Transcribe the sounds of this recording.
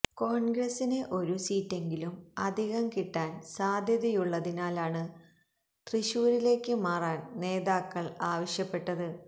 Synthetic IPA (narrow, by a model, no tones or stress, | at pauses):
ko̞ːɳɡrɐsineʔo̞ɾusiːtːe̞ŋɡilumɐd̪ʱiɣɐmkiʈːaːnsaːd̪ʱjɐðɐjuɭːɐðinaːlaːɳɨ | t̪riɕuːɾile̞ːkːɨmaːraːnne̞ːðaːkːɐɭaːʋɐɕjɐpːe̞ʈːɐðɨ